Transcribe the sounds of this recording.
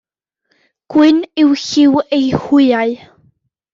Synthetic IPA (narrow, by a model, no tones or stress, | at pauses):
kwɪniwçiwejhiaj